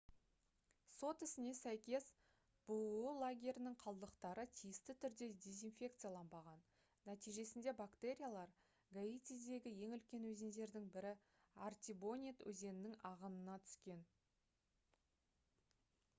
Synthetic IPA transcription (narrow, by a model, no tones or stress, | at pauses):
so̞t̪ɪsɪne̞sæjkʲe̞s | b̥uulˠaɡʲe̞ɾʲɪnɪŋqʰɑlˠd̪əqt̪ɑɾət̪ʰijɪst̪ɪt̪ʰʏɾd̪e̞d̪ʲe̞zinfʲe̞kt̪sɨjalˠɑnbɑʁɑnː | æt̪ijʒe̞sɪnd̪e̞bakt̪e̞ɾʲijalˠɑɾ | ɡait̪ʲizd̪e̞ɡʲɪje̞ŋʏlkʲe̞nwɵzend̪e̞ɾd̪ɪŋbɪɾɪ | art̪ʲibo̞nʲit̪wɵ̰ze̞nɪnɪŋɑʁənənɑt̪ʰʏ̥skʲe̞n